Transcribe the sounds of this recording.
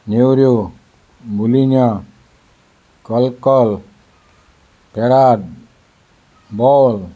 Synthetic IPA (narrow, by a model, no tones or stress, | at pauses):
newɾjo | bulinja | kɔlkɔl | peɾat̚ | bɔl